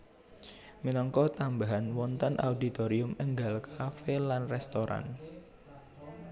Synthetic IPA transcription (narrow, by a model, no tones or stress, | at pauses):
minɔŋkɔt̪ambaɦanwɔnt̪ənʔa̰ud̪it̪oɾiʊməŋɡalkafelanrɛst̪oɾa̰n